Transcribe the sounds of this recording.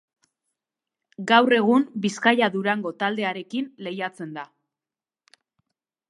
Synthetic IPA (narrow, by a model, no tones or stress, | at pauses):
ɡawre̞ɣ̞umbiskajaðuɾaŋɡo̞t̪ald̪e̞aɾe̞kinle̞jat͡se̞nd̪a